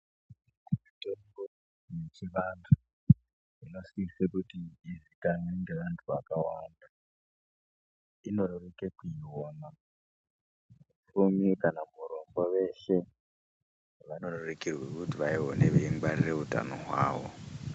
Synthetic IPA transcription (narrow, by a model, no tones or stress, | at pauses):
umitoɡo | jet͡ʃiʋandʱu | ino̞siisekutiːzikanweŋɡe̞ʋantʰuʋakawa̰nda | ino̞rerekekuiwoːma | ufumikanamuɾo̞mboʋe̞ʃe | ʋanorerekirwekutiʋaiɦoneʋeiŋɡ͡barireuta̰no̞̰ɦwa̰ːʋo̰